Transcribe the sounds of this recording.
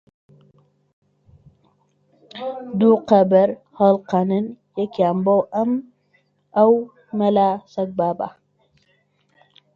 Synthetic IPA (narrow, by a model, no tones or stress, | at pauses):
d̪uqɐbɐɾ | hɐlqanɨnjɛkʰiambowʔɐm | ʔaw | mɐlasɐɡ̚baba̰